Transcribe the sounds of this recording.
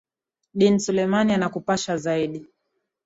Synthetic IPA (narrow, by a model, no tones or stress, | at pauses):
ɗinsulɛmanianakupaʃazaiɗi